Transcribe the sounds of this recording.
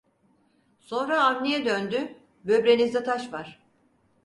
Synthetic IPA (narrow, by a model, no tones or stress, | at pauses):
so̞nɾaːnːijɛd̪ønd̪y | bøbɾenizɛt̪ʰaʃvaɾ̥